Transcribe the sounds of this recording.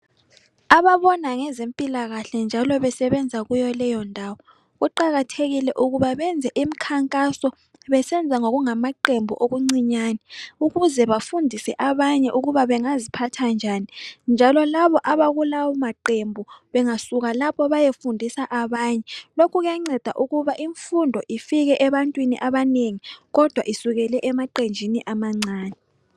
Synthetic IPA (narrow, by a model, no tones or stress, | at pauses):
aβaβɔnaŋɛzempʼilaɣaɬɛnd͡ʒʱalɔβɛsɛβɛnd͡zʱaɣujɔlɛjɔndʱawɔ | ɣuǃaɣatʰeɣilɛʔuɣuβaβɛnd͡zʱɛʔimikʰaŋkʼasɔ | βɛsɛnd͡zʱaŋoɣuŋamaǃembʱuʔoɣuŋ͡ǀiɲaːnɛuɣuzɛβafundʱisɛʔaβaɲɛʔuɣuβaβɛŋazipʰatʰand͡ʒʱanind͡ʒʱalɔlaβɔʔaβaɣulawɔmaǃembʱuβɛŋasuɣalapʰɔβajefundʱisaʔaβaːɲɛlokʰuɣjaŋ͡ǀɛd̥ʱa̰ʔuɣuβaʔiɱfundʱɔʔifiɣɛʔɛβantʼwinḭʔaβaneŋiɣɔd̥ʱwaʔisuɣɛlɛʔɛmaǃend͡ʒʱiniʔamaŋ͡ǀaːnɛ